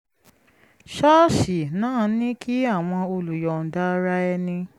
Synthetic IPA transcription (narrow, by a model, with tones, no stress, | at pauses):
ʃa˦ʃi˨nãː˦˧˨nĩ˦ki˦a˦˨w̃ɔ̃˧o˧lu˨jɔ˨n̩˨da˦ɾa˦ɛ˧nĩ˧